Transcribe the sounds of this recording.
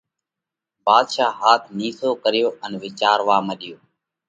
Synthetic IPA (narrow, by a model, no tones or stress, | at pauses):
baːd̪ʃaːɦaːt̪ʰniːsoːkəɾɪjoːənʋɪt͡ʃaːɾʋaːməɗɪjoː